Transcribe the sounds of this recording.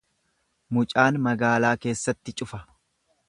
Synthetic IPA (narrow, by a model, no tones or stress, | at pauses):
mʊt͡ʃʼaːnmɐɡaːlaːke̞ːsːɐt̪ːɪt͡ʃʼʊfɐ